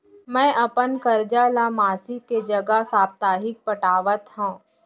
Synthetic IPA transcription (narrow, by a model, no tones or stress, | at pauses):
mɛ̃ːʔɐpənkəɾd͡ʒalamaːsiked͡ʒɐɡasaːbt̪aːɦɪk̚pəʈaːʋət̪ɦũː